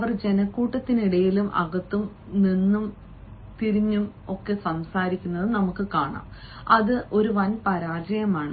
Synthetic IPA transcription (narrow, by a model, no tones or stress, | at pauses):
ɐʋɐrd͡ʑe̞nɐkːuːʈːɐt̪ːiniɽɐjilumʔɐ̰ɣɐt̪ːum | ninːum | t̪iɾiɲːum | o̞kːe̞sɐmsaːɾikʲːunːɐðɨnɐmukːɨkaːɳa̰ːm | ɐðɨʔo̞ɾuʋɐnpɐɾaːrd͡ʑɐjɐmaːɳɨ